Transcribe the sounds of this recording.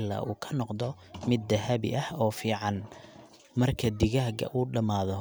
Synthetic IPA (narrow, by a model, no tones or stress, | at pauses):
la̰ːʔuːkʰɐ̥nɔqd̪ɔ | mɪd̪ːɐhɐβɪ̰ʔɐhɔːfiːʕɑn | mɐrkʰɐd̪ɪɣɐhɡɐ̰ʔuːɖɐmaːðɔ